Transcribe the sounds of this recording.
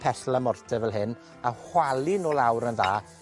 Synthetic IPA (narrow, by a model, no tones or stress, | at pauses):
pʰɛɬlˠəmɔrtʰɛvɛlˠɦɪn | ahwalinoːlˠawɾənðaː